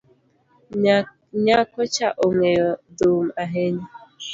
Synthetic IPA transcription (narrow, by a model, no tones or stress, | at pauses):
ɲakɔt͡ʃaʔoŋʷejɔdom̩aɦeɲi